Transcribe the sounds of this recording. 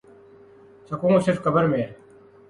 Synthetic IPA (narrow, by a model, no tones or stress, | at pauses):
sɐkũːsɪɾfkɐbəɾmeː